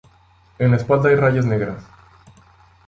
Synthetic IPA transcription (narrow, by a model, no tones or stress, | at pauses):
enespald̪ajraʝazneɣɾas